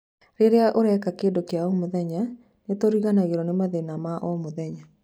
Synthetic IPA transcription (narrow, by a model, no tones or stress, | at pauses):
ɾeɾeaʔoɾɛkakeːdokeaɔmoðɛɲa | netoɾiɣanaɣeɾɔnemaðenamaʔɔmoðɛɲa